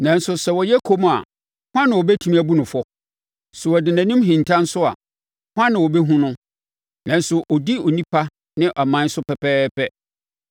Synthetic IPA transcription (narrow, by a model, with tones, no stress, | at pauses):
nã˨n̩˦sʊ˨sɛ˨wɔ˨jɛ˦kʰo˦m˨a̰˨ | hã˦nɪ̃˨wɔ˨bɛ˦tʰũ˦mĩ˦æ˨bu˦nʊ̃˨fɔ˦ | sʊ˨wɔ˨dɪ˨nã˨nĩ˦m˦ɦĩ˨n˨tʰã˦n̩˦sʊ˦a̰˨ | hwã˦nɪ̃˨wɔ˨bɛ˦ɦũ˦nʊ̃˦ | nã˨n̩˦sʊ˨ʔɔ˨di˦ɔ˨nĩ˦pʰa˦ | nɪ̃˦ʔɔ˨mã˨˦n̩˦sʊ˦pɛ˨pʰɛː˦pɛ˦